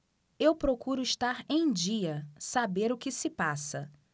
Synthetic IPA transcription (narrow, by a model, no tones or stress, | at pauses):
ewpɾokuɾʊɪʃt̪aɾẽj̃d͡ʒiɐsabeɾʊkɪsɪpasɐ